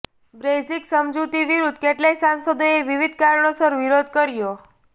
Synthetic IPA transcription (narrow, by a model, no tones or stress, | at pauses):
bɾed͡ʒiksəmd͡ʒut̪iʋiɾud̪̚keʈlesansəd̪oeʋiʋid̪ʱkaɾɳosəɾʋiɾod̪ʱkəɾjo